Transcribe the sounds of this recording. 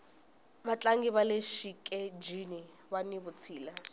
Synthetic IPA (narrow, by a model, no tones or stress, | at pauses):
bat͡ɬʼaŋɡiβaleʃikʼɛd͡ʒini | waniβʊt͡sʰiːla